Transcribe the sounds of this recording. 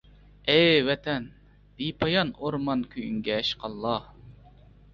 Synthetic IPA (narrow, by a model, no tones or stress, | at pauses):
ɛjwɛt̪ʰɛn | d̪̥ipʰɑjɑnoɾmɑnkʲʰyjyŋɡʲɛːʃqʰɑlˠːɑh